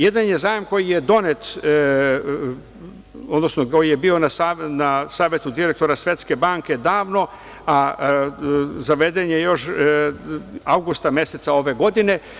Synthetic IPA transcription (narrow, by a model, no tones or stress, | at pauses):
je̞d̪anje̞zaːjemko̞jije̞d̪o̞ne̞t̪ | od̪nosnokojijebio̞nasanasaːʋʲjet̪ud̪iɾek̚t̪o̞ɾasʋje̞t̪ske̞baːŋke̞d̪aːʋno̞ | a | zaʋe̞d̪enjejo̞ʃ | awɡust̪amje̞set̪sao̞ʋe̞ɡo̞d̪ine̞